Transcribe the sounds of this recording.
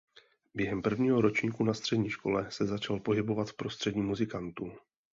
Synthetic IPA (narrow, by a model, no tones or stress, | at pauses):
bjɛɦɛmpr̩vɲiːɦo̞ɾo̞t͡ʃɲiːkunast̪r̥ɛdɲiːʃko̞lɛsɛzat͡ʃalpo̞ɦɪbo̞vat̪pɾo̞st̪r̝̥ɛdɲiːmuzɪkant̪uː